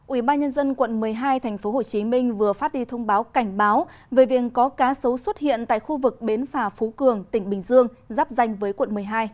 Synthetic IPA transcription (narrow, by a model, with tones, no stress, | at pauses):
ʔwi˧˩ɓaː˧nɲə˧nzə˧nkwə̰˧˨nmɨ˨˩əjɦaː˧jt̪ʰɛ˨˩ŋ̟fo˨˦ɦo˧˨˩t͡ɕi˨˦mï˧ŋ̟vɨ˨˩əfaː˦˥t̚ɗi˧t̪ʰə˧wŋ͡mɓaː˨˦wka˧˩jŋ̟ɓaː˨˦w | ve˨˩vi˨˩əkkɔ˨˦kaː˨˦sə˨˦wswə˦˥t̚hḭ˧˨ənt̪a̰ː˧˨jxu˧vɨ˨˩k̚ɓe˨˦nfaː˧˩fo˨˦kɨ˨˩əŋt̪ï˧˩ŋ̟ɓï˨˩ŋ̟zɨ˧əŋzaː˦˥p̚za˧jŋ̟vəː˨˦jkwə̰˧˨nmɨ˨˩əjɦaː˧j